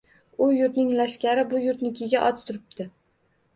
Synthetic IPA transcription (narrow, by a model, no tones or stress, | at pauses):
ʊjʊɾt̪nɪŋlaʃkʲaɾɪbʊjʊɾt̪nɪkʲʰɪɡʲaʔɒt͡ʃ̪t̪ʰʊɾɪp̚t̪ɪ